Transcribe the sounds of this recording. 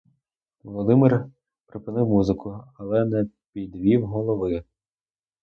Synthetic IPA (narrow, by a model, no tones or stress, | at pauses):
ʋɔlˠɔd̪ɪmɪr | pɾɪpɪnɪwmuzɪkʰʊɐlˠɛnɛpʲid̪ʋʲiwɦɔlˠɔʋɪ